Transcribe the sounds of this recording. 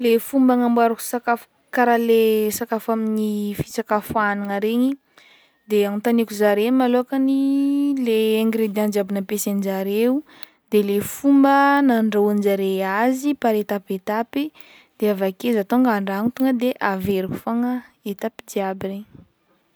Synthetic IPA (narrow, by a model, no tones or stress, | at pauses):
lefumbaŋambaɾaku̥sakaf | kaɾalesakafaminifi̥t͡sakafanaŋaɾeɲi | d̪eaŋut̪anikuzaɾemaloakənilẽːŋɡɾed̪iãnd͡ʒiabinəpesand͡ʒaɾeu | d̪elefumbənaɳɖ͡ʐaand͡ʒaɾeazipaɾet̪apet̪api | d̪eavakezat̪oŋɡaɳɖ͡ʐaŋut̪uŋəd̪eʔaveɾiku̥faŋəet̪apid̪iabireɲi